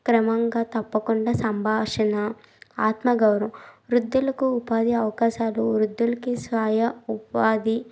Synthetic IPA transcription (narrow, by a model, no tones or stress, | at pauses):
kɾɐmɐŋɡaːt̪ɐpːɐkuɳɖaːsɐmbʱaːʂɐnɐ | aːt̪mɐɡɐwɾɐmɾud̪ːulɐkuːpaːd̪iɐʋɐkaːʃaːluɾud̪ːulɐkisʋaːjɐupaːd̪i